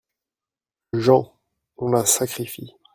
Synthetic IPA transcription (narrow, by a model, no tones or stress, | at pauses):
ʒɑ̃ | ɔ̃lasakχifi